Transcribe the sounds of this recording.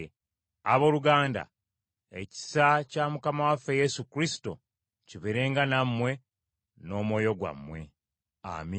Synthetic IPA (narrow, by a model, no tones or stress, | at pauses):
a̰βo̞ːluɡaːnda̰ | e̞ci̥sacamukamawafːe̞je̞sukɾisi̥to̞ | ciβeɾe̞ːŋɡanamːwe̞ | no̞ːmwo̞ːjo̞ɡwa̰mːwe̞̰ | a̰mi